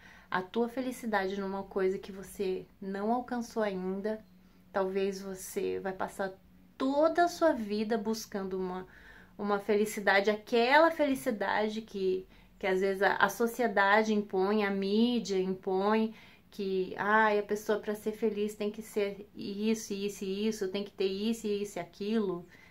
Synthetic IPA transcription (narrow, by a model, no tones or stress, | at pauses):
ɐ̰t̪uɐfelisid̪ad͡ʒɪnũũmɐkojzɐkɪvosenɐ̃w̃awkɐ̃soaĩnd̪ɐ | t̪awvezvosevajpasaɾ | t̪od̪ɐɐsuɐvid̪ɐbuskɐ̃nd̪ʊũmɐ | ũmɐfelisid̪ad͡ʒɪakɛlɐfelisid̪a̰d͡ʒɪkʰɪ | kɪazvezɪzɐ̰ʔɐ̰sosied̪ad͡ʒɪĩpõj̃ɐmid͡ʒiɐĩpõj̃ | kʰɪajɐpesoɐpɾɐseɾfelist̪ẽj̃kɪseɾisʊɪisʊɪisʊt̪ẽj̃ʊ̃kɪ̥t̪eɾisʊɪisʊakʰilʊ